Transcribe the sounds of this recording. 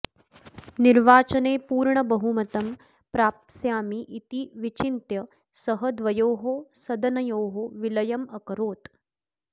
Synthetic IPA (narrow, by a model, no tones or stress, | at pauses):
niɾʋaːt͡ʃɐneːpuːɾɳɐbɐɦumɐt̪ɐm | pɾaːp̚t̪sjaːmiʔit̪iʋit͡ʃint̪jɐ | sɐɦɐd̪ʋɐjoːɦosɐd̪ɐnɐjoːɦoʋilɐjɐmɐkɐɾoːt̪